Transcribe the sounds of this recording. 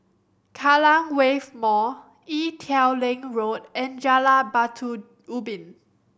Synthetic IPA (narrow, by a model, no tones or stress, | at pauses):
kʰalãŋwevmɔ | itʰɛwlɛ̃ŋɹotɛ̃nd͡ʒalabatʰu | ubĩn